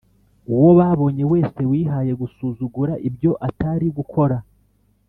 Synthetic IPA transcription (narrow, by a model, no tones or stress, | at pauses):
uwo̞βaβo̞ɲe̞we̞ːse̞wiːɦaːje̞ɡusuːzuɡuɾaʔibjo̞ʔataɾiɡukʰo̞ɾa